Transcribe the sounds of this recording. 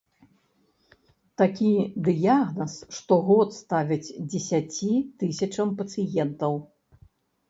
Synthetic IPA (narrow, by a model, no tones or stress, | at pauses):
t̪akʲid̪ɨjaɣnɐsʂt̪ɔɣɔt̪st̪avʲid͡zʲd͡zʲɛsʲat͡sʲit̪ɨsʲɐt͡ʂɐmpɐt̪sɨjɛnt̪ɐw